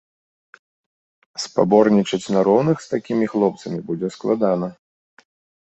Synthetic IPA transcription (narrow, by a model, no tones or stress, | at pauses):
spa̰bɔrnʲit͡ʂɐt͡sʲnaɾɔwnɨxst̪akʲimʲixlˠɔpt̪sɐmʲibud͡zʲɛsklˠad̪anɐ